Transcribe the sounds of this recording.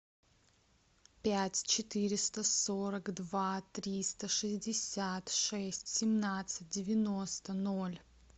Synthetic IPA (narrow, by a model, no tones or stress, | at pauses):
pʲætʲt͡ɕɪt̪ɨɾʲɪst̪əsoɾəkd̪vat̪ɾʲist̪əʂɨzʲdʲɪsʲat̪ʂɛsʲtʲsʲɪmnat̪sɨt̚ʲdʲɪvʲɪnost̪ənolʲ